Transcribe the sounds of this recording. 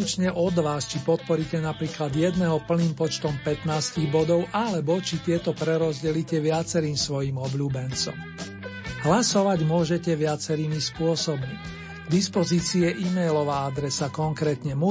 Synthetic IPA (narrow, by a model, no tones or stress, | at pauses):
ut͡ʃɲɛʔɔd̪ʋaːst͡ʃipɔt̪̚pɔɾicɛnapɾiːklad̪jɛd̪nɛɦɔpl̩niːmpɔt͡ʃt̪ɔmpɛt̪naːsciɣbɔd̪ɔʊʔalɛbɔt͡ʃit̪ɪɛt̪ɔpɾɛɾɔzɟɛlicɛʋɪat͡sɛɾiːmsʋɔjiːmɔbʎuːbɛnt͡sɔ̰m | ɦlasɔʋaɟmʊɔʒɛcɛʋɪat͡sɛɾiːmispʊɔsɔbmi | d̪ispɔziːt͡siɛʔimɛjlɔʋaːad̪ɾɛsakɔŋkɾɛːt̪ɲɛmu